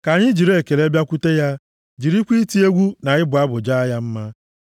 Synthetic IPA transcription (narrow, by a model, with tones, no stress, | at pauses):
ka˨ɲɪ˦d͡ʒi˨ɾe˦˨ke˨le˦bja˦kʷu˦te˦ja˦ | d͡ʒi˨ɾi˦kʷi˦ti˦e˦ɡʷu˦na˨ɪ˦bʊ˨a˦bʊ˨d͡ʒa˦a˦ja˦m̩˦ma˦